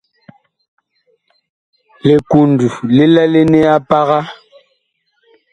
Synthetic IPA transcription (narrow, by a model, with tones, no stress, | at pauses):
le˨ku˨n˨du˨le˦lɛ˦le˦ne˦a˦pa˦ɣa˦